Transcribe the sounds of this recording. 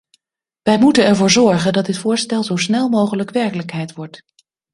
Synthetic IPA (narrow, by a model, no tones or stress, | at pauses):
ʋɛjmutənɛɹvʊːɹzɔɹχəndɑt̚dɪtfʊːɹstɛlˠzowsnɛlˠmowχələkʋɛɹkələkɦɛjtʋɔɹt